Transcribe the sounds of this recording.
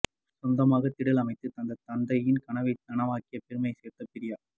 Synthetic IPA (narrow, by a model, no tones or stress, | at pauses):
sɔnd̪ɐmaːɣɐt̪ːɪɽɪlɐmɐɪt̪ːɯt̪ɐnd̪ɐt̪ːɐnd̪ɐjɪnkɐɳɐʋɐɪt̪ɐnɐʋaːkɪjɐpɪɾɯmɐɪseːɾt̪ːɐpɪɾɪjaː